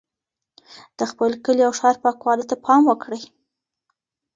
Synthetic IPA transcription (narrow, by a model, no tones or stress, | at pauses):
d̪̥əxpəlkəliawʃɑɾpɑkwɑlət̪apʰɑmwəkɽəj